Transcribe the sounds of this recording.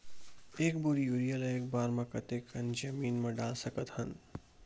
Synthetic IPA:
eːk̚bʊɾijuːɾijəɾɐeːk̚baːɾmɐ̃kɐt̪ekɐnd͡ʒɐmiːnmɐ̃ɖaːlsɐkət̪hɐn

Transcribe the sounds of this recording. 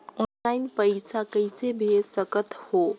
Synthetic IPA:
ɔnlaɪnpəɪsakəɪsebʱesəkət̪ho

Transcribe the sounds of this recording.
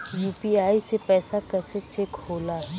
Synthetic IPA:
juːpiaːisepɛːsakɛːset͡ʃekhoːlaɦɛ

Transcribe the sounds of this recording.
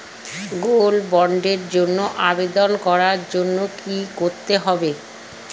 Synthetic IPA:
ɡolbɔɳɖeɾd͡ʑonːoʔabed̪onkɔɾaɾd͡ʑonːokikoɾt̪eɦɔbe

